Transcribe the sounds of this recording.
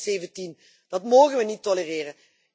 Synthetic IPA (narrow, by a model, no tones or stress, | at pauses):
seːvəntin | d̥ɑtmoːɣənʋənitoləreːrən